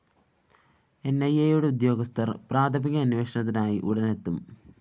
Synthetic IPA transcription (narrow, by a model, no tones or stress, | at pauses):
e̞nːɐjːejoːɽeud̪jo̞ːɡɐst̪ʰɐrpraːd̪ʰʱɐmiɣɐːnuʋeːʂɐɳɐt̪̬ːinaːjiʔuɽɐne̞t̪ːum